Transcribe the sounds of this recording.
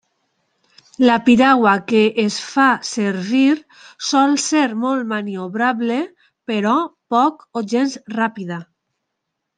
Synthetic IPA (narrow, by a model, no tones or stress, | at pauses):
lapiɾaɣwakeʔːsfaseɾβiɾ | sɔlseɾmɔlt̪manioβɾaβle | peɾɔpɔkoʒenzrapiða